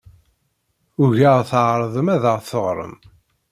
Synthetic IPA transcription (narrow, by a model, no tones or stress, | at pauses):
ʊʝəʁθʕɾˤəðˤəmæðəʁθəʁɾˤə̰m